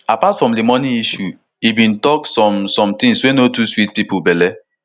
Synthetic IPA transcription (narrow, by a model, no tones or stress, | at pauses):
apatfɾɔ̃mdɪmɔniiʃu | ibĩn̩tɔksɔmsɔ̃mtɪ̃ŋswenotuswit̚pipʊbele